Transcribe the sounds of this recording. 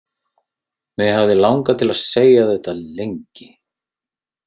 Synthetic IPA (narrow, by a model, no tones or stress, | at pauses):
mɪɦavðɪlawŋkat̪ʰɪlaðseːjaθɛht̪alejɲcɪ